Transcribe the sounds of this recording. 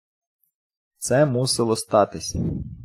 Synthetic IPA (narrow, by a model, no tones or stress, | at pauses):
t̪sɛmusɪlˠɔst̪ɑt̪ɪsʲɐ